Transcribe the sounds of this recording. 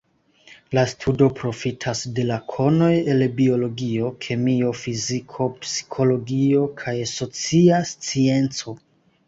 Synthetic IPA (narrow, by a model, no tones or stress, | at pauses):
lastʰudo̞pɾo̞fitʰasde̞lakʰo̞no̞je̞lbio̞lo̞ɡio̞kʰe̞mio̞fizikʰo̞psi̥kʰo̞lo̞ɡio̞kʰajso̞t͡siast͡sie̞nt͡so̞